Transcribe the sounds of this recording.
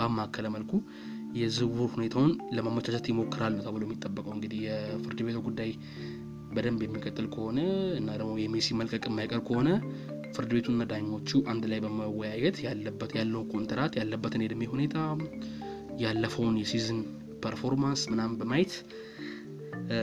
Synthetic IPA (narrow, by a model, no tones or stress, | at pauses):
bamːakʰːələməlkʰu | jɛzɨwuɾhune̞t̪ʰawʊnləmamːət͡ʃʰat͡ʃat̪jɛmo̞kːɨɾalːut̪ʰəβɨləwjɛmːit̪ʼːəbːəkʼəwɨŋɡɨd̪ihjɛfɨɾd̪ɨbe̞t̪ʰuɡud̪ːaj | bəd̪əmbjɛmːikʼət̪ʼːɨlkʰəho̞nəɨnːad̪əɡmojɛmesiməlkʼəkʼɨmːajkʼəɾb̚kʰəho̞nə | fɨɾd̪ɨbe̞t̪ʰuɨnːad̪ajɲo̞t͡ʃːuʔand̪lajbəməwɔjajɛt̪ʰjalːəbːəjalːəwnkʰʼo̞nt̪ʰəɾat̪jalːəbːət̪ɨned̪ɨmːehune̞t̪ʰa | jalːəfəwnjɛsizɨn | pʰəɾfo̞ɾmansmɨnambəmajt̪